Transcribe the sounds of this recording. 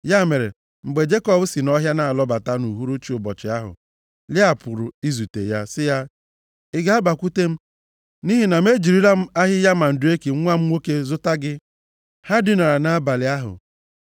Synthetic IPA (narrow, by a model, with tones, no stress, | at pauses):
ja˦˨me˨ɾḛ˨ | ŋ͡m̩˨ɡ͡be˨d͡ʒe˦kɔ˦bʊ˦si˨nɔ˦ɦja˦na˨a˨lɔ˦ba˨ta˦nu˨ɦu˦ɾu˦t͡ʃi˨ʊ˨bɔ˨t͡ʃɪ˨a˦ɦʊ̰˨ | lɪ˦a˨pʊ˨ɾʊ˨i˦zu˨tḛ˨ja˦sɪ˦ja˦ | ɪ˦ɡa˦a˦ba˨kʷu˦te˦m̩˦ | ni˦ɦi˨na˨me˦d͡ʒi˨ɾi˦ɾa˦m̩˦a˦ɦɪ˦ja˦ma˨n̩˨dʊ˨˦e˦ke˨˦ŋʷa˦m̩˦ŋʷo˦ke˦zʊ˦ta˦ɡɪ˦ | ha˦di˦na˨ɾa˨na˨˦ba˨lɪ˨a˦ɦʊ̰˨